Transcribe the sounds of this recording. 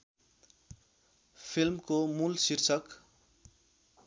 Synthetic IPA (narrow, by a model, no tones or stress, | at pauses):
pʰilmkomulsirt͡sʰʌk